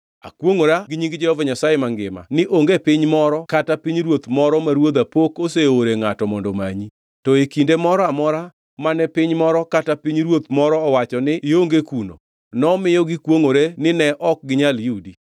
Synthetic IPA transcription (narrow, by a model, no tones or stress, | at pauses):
a̰kwoŋoɾaɡɪɲiŋɡɪd͡ʒɛhɔvaɲasajemaŋɡɪma̰nɪʔoŋɡepɪɲmɔɾɔkatapiɲɾwot̪mɔɾɔmaɾwod̪apokoseoɾeŋatɔmɔndɔma̰ɲi | tɔekindemɔɾɔamɔɾa | manɛpɪɲmɔɾɔkatapiɲɾwot̪mɔɾɔːwat͡ʃɔnɪɪoŋɡekuno̰ | nɔmɪjɔɡɪkwoŋoɾenɪnɛʔɔk̚ɡɪɲaljudi